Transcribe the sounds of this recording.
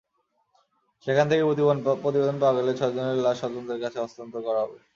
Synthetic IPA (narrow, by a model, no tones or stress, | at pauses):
ʃekʰant̪ʰekepopɾot̪̬ibed̪onpaaɡelet͡ɕʰɔed͡ʑoneɾlaʃɔd̪ont̪ɾeɾkat͡ɕʰeɔst̪ont̪okɔɾaɦɔbe